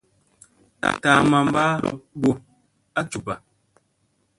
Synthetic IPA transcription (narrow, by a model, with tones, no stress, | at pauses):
a̰˨ta˨˦ma˨m˦ba˦ɾ̰bo˦ | a˦t͡ʃu˨pa˨